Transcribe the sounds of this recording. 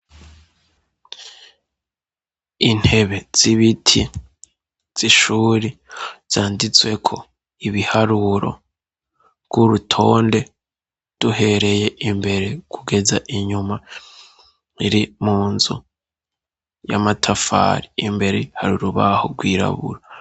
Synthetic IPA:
in̥he̞βe̞z̥iβitʰi | z̥iʃuːɾiz̥aːndit͡swe̞kʰo̞ | iβihaɾuɾo̞̰ | ɡ̥uɾutʰo̞ːnde̞ | d̥uhe̞ɾe̞je̞ʔimbe̞ɾe̞kʰuɡe̞zaʔiɲuma | iɾimuːnzu | jamatʰafa̰ɾiimbe̞ɾehaɾuɾuβaho̰ɡwiːɾa̰βṵɾa

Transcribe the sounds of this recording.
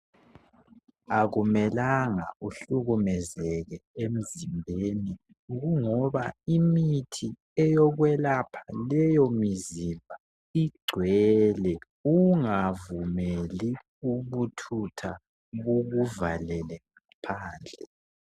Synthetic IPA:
aɣumɛlaŋa̰uɬuɣumɛzɛɣɛem̩zimbʱeni | ɣuŋɔβaimitʰi | ɛjɔɣwɛlapʰalɛjomizimbʱa | iɡ͡ǀʱwɛlɛ | uŋavumeli | uβutʰutʰa | βuɣuvalɛlɛŋapʰaːnd͡ɮʱɛ

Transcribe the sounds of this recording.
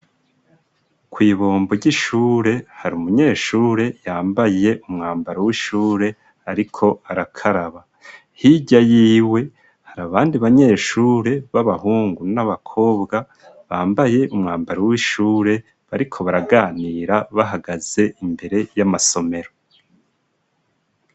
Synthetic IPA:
kwiːβoːmboɾɟiʃuːɾe̞haɾiumuɲe̞ːʃuːɾe̞jaːmbaje̞ʔumŋaːmbaɾowiʃuːɾe̞ | aɾikʰo̞aɾakʰaɾaβa | hiɟajiːwe̞ | haɾaβaːndiβaɲe̞ːʃuːɾe̞βaβaɦuːŋɡunaβakʰo̞ːbɡa | βaːmbaje̞ʔumŋaːmbaɾawiʃuːɾe̞ | βaɾikʰo̞βaɾaɡaːniːɾaβaɦaɡaz̥e̞imbe̞ɾe̞jamaso̞me̞ɾo̞

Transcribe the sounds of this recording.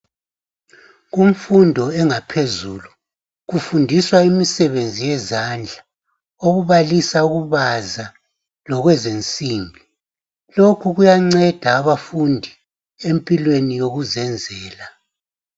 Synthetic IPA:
ɣumfundʱɔɛŋapʰezulu | ɣufundʱiswaimisɛβend͡zʱijɛzand͡ɮʱa | oɣuβalisauɣuβaza | lɔɣwɛzent͡sʼiːmbʱi | lokʰuɣujaŋ͡ǀɛd̥ʱaːβafundʱi | empʼilwenijoɣuzɛnd͡zʱɛːla

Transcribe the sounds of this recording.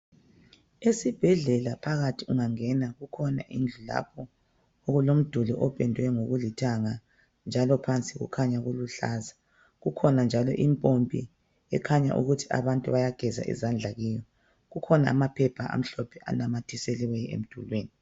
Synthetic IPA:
esib̥ʱɛɮɛlapʰaɣatʰiuŋaŋɛnaɣukʰɔna̰ʔind͡ɮʱula̰pʰɔ | oɣulom̩d̥ʱulɔʔɔpʼɛndʱwɛŋoɣulitʰaŋa | nd͡ʒʱalɔpʰant͡sʼiɣṵkʰaɲaɣuluɬa̰za | ɣukʰɔnand͡ʒʱalɔ̰ʔimpʼompʼḭ | ɛkʰaɲa̰ʔṵɣutʰia̰βantʼuβajaɡ̥ʱɛza̰ʔḭzand͡ɮʱaɣijɔ | ɣukʰɔnaːmapʰɛpʰaʔa̰m̩ɬɔpʰɛʔa̰namatʰiseliwɛḛm̩d̥ʱulweːni

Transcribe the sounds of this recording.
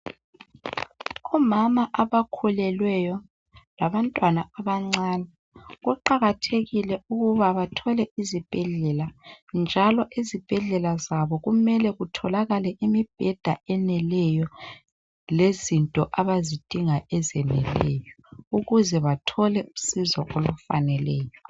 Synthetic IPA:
ɔmamaʔaβakʰulɛlwɛjɔ | laβantʼwanaaβaŋ͡ǀaːnɛ | ɣuǃaɣatʰeɣilɛuɣuβaβatʰɔlɛizib̥ʱɛɮɛland͡ʒʱalɔʔizib̥ʱɛɮɛlazaβɔɣumɛlɛɣutʰɔlaɣalɛʔimib̥̚ʱɛd̥ʱa̰ɛnɛlɛjɔ | lezintʼɔʔaβazid̥ʱiŋaʔɛzɛnɛ̰lɛːjɔ | uɣuzɛβatʰɔlɛusizɔ̰ʔolufanɛlɛːjɔ

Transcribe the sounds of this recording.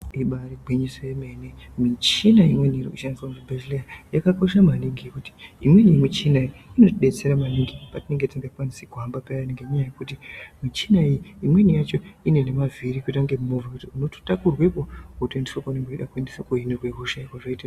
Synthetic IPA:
iɓariɡʱeɲisojeme̞nemit͡ʃinaimwe̞niirikuʃandisamuʐibʱed͡ʒleajakako̞ʃamaniŋɡijekuti̥imwe̞nijimit͡ʃinaiino̞tiɗe̞t͡seɾamaniŋɡipatine̞ŋɡetiŋɡapanisiɡʱwambapejaneŋɡemuɲajekutimit͡ʃinaijiimwe̞nijat͡ʃo̞ine̞ne̞mavirikutaŋɡemumovakutiuno̞tu̥takurwe̞poutendiʃokoneŋɡoiɗakwendiʃokoinorweruʃaikwaʐaita

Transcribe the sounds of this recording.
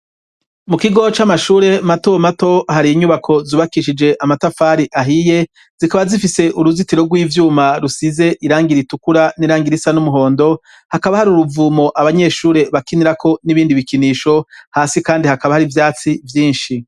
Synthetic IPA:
mukiɡo̞t͡ʃamaʃuːɾe̞matomato̞haɾiːɲuβakʰo̞zuβakiʃid͡ʒe̞ʔamatafaːɾiʔaɦije̞ | z̥ikaβazifise̞ʔuɾuzitiɾo̞ɡwiːvjuːmaɾusize̞ʔiɾaːŋɡiɾitukuɾaniɾaːŋɡiɾisanumuɦo̞ːndo̞ | hakaβahaɾiuɾuvuːmo̞ʔaβaɲe̞ːʃuːɾe̞βakiniɾakʰo̞niβiːndiβikiniːʃo̞haːsikaːndihakaβahaɾivjaːt͡sivjiːnʃi

